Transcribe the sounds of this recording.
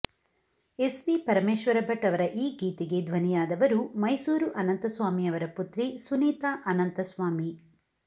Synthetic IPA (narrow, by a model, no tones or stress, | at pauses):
esʋipɐɾɐmeːʃʋɐɾɐbʱɐʈːɐʋɐɾɐʔiːɡiːt̪iɡe̞d̪ʋɐnijaːd̪ɐʋɐɾumɐjsuːɾuʔɐnɐnt̪ɐsʋaːmiɐʋɐɾɐput̪ɾisuniːt̪aːʔɐnɐnt̪ɐsʋaːmi